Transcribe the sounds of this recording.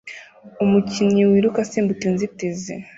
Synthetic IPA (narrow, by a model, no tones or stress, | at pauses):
umuciɲiwiːɾukasiːmbutinzitize